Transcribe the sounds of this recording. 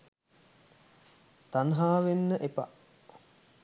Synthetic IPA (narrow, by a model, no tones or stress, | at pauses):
t̪anɦaːʋenːəʔepa̰ʔ